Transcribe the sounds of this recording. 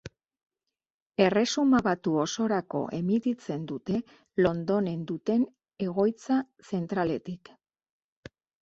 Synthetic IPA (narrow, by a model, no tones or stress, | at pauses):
e̞re̞sumaβat̪uo̞so̞ɾako̞̰ʔe̞mit̪it͡se̞nd̪ut̪e̞ | lo̞nd̪o̞ne̞nd̪ut̪e̞n | e̞ɣ̞o̞jt͡sa | se̞nt̪ɾale̞t̪ik